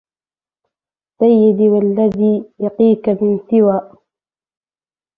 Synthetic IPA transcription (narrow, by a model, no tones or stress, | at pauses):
sajːɪd̪iwalːaðiːjɑqiːkamɪnsɪwaːʔ